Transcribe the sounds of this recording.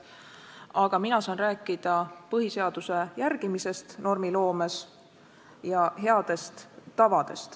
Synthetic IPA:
ɑɡ̥ɑminɑsɑːnræːkːˑid̪̥ɑpɤɦise̞ɑd̪use̞jærɡ̥imise̞st̪no̞rmilo̞ːmes | jɑɦe̞ɑd̪̥e̞st̪ːɑvɑd̪̥e̞̰st̪

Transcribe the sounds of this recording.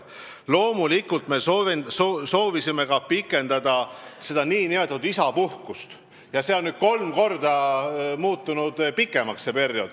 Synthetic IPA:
lo̞ːmulikːˑult̪me̞sovsoso̞ːvisime̞kɑpikːˑe̞nd̪̥ɑd̪̥ɑse̞d̪̥ɑniːnime̞t̪ɑt̪ud̪isɑpuhkust̪ | jɑseo̞nːyːd̪̥̚ko̞lmko̞rd̪̥ɑmuːt̪ːunud̪̥pikːˑe̞mɑksse̞pe̞rjo̞d̪̥

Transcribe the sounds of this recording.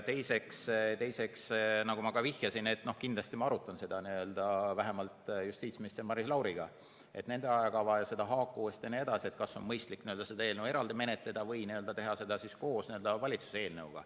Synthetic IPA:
t̪e̞jse̞kst̪e̞jse̞ksnɑɡumɑkɑvihjɑsine̞t̪ːno̞hkind̪lɑst̪imɑɑɾut̪ːˑɑnse̞d̪̥ɑniø̞ld̪ɑvæɦe̞mɑlt̪just̪iːt̪smist̪sɑmɑɾislɑwɾiɡ̥ɑ | e̞t̪ne̞nd̪eɑjɑkɑvɑjɑse̞d̪̥ɑɦɑːkːˑuest̪jɑnie̞d̪ɑsie̞t̪̚kɑsːo̞̰nmɤjst̪likniø̞ld̪ɑse̞d̪ɑeːlnewe̞ɾɑld̪ime̞net̪ˑle̞d̪ɑvɤjniøld̪ɑt̪e̞ɦɑse̞d̪̥ɑsisko̞ːsniø̞ld̪ɑvɑlʲit̪su̥see̞ːlnewɡ̥ɑ̰

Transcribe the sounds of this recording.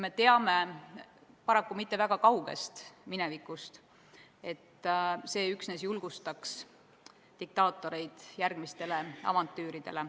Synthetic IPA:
me̞t̪e̞ɑme̞ | pɑɾɑkːumit̪ːˑe̞væɡ̥ɑkɑwɡ̥e̞̰st̪minevikːˑust̪ | e̞t̪ːse̞ːyksnes̬julɡ̥ust̪ɑks | d̪̥ik̚t̪ɑːt̪ːˑo̞ɾe̞jd̪̥jærɡ̥mist̪e̞le̞ɑ̰vɑnt̪ːˑyːɾid̪̥e̞̰le̞

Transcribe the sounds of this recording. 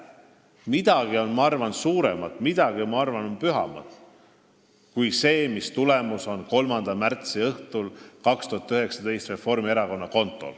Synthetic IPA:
mid̪̥ɑɡ̥io̞nmɑɑrvɑnsuːɾḛmɑt̪ːˑmid̪̥ɑɡ̥iomɑɑrvɑnonpyɦɑ̰mɑ̰t̪ˑ | kujse̞ːmist̪ule̞muso̞nko̞lmɑnd̪̥ɑmært̪siɤht̪ulkɑkst̪uhɑt̪ːˑyɦe̞ksɑd̪e̞jst̪re̞fo̞rmieɾɑko̞nːɑko̞nt̪ˑo̞̰l

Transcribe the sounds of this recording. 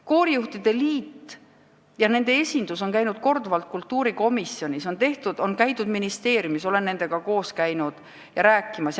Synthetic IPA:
ko̞ːɾijuht̪id̪̥e̞liːt̪ː | jɑne̞nd̪̥e̞esʲind̪̥uso̞nkæjnud̪̥̚ko̞rd̪uvɑlt̪̚kult̪ːuːɾiko̞misːio̞nʲiso̞nt̪e̞ht̪ud̪̥o̞nkæjt̪ˑud̪minist̪e̞ːɾjumiso̞le̞nnːe̞nd̪̥e̞ɡ̥ɑko̞ːskæjnud̪̥ | jɑɾæːkːˑimɑs

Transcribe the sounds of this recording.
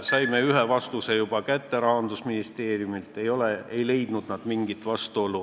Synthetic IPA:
sɑjme̞yɦevɑst̪use̞jub̥ɑkæt̪ːe̞ɾɑhɑnd̪̥usminist̪e̞ːrijumilt̪ˑe̞jo̞lee̞jle̞jd̪̥nud̪̥nɑd̪̥miŋɡit̪ːˑvɑst̪uolːu

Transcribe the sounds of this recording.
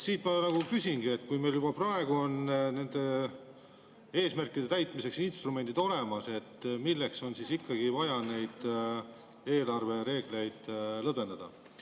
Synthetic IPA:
siːt̪mɑnɑɡ̥ukysʲinɡ̥ie̞t̪ːˑkujme̞jljubɑprɑe̞ɡuo̞nne̞nd̪̥e̞ | e̞ːsmærkːˑid̪̥e̞t̪æjt̪ˑmise̞ksinst̪rume̞nd̪id̪o̞le̞mɑse̞t̪ːmilːe̞kso̞nsisikːɑɡ̥ivɑjɑne̞jd̪̥ | e̞ːlɑrve̞ɾe̞ːɡ̥le̞jd̪̥lɤbe̞nd̪ɑd̪̥ɑ

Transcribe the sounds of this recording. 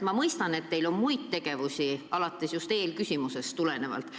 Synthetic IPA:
mɑmɤjst̪ɑne̞t̪ːe̞jlo̞nmujt̪t̪e̞ɡ̥e̞vusʲiɑlɑt̪ˑːe̞sjust̪e̞ːlkysʲimuse̞st̪ule̞ne̞vɑ̰lt̪ˑ

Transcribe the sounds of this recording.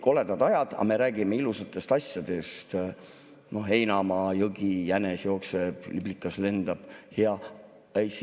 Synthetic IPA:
ko̞le̞d̪̥ɑd̪ɑjɑd̪̥ɑ̰me̞ɾæːɡ̥ime̞ilusɑt̪ːˑe̞st̪ɑsʲjɑd̪̥e̞st̪ | no̞e̞jnɑmɑjɤɡijænesjo̞ːkseb̥liblikːˑɑsle̞nd̪̥ɑb̥hjɑ | es

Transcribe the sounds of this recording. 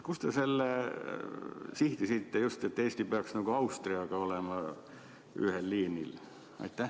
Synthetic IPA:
kust̪eselː | siht̪isit̪ːejust̪et̪ːeist̪ipeɑksniŋkoɑust̪riɑkɑolemɑ | y̰helːiːnil | ɑ̰it̪ːæ

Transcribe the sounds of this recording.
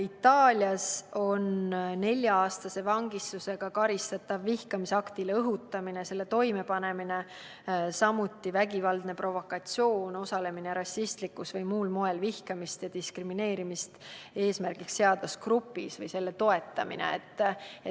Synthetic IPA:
it̪ːɑːlʲjɑso̞nne̞lʲjɑɑːst̪ɑse̞vɑŋɡ̥ist̪use̞ɡ̥ɑkɑɾist̪ɑt̪ːˑɑvːihkɑmiseɑkt̪ilɤɦut̪ˑːɑmine̞se̞lːe̞t̪o̞jme̞pɑne̞mine̞ | sɑmut̪ːˑivæɡivɑld̪̥ne̞pro̞vo̞kːˑɑt̪sijo̞ːno̞sɑle̞mineɾɑsːist̪likːˑusvɤjmuːlmo̞e̞lvihkɑmist̪jɑd̪̥iskrimine̞ːɾimist̪e̞ːsmærɡ̥iksːe̞ɑd̪ɑskrupːˑḭsvɤjse̞lːe̞t̪o̞e̞t̪ːˑɑmḭnḛet̪ˑː

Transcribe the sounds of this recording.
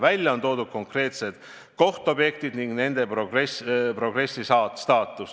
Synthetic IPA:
vælʲjɑo̞nt̪o̞ːd̪ud̪̥̚ko̞ŋkre̞ːt̪se̞d̪̥ | ko̞ht̪ob̥je̞kt̪id̪niŋɡne̞nd̪e̞prorespro̞ɡ̥re̞sːisɑːst̪ɑːt̪ːˑus

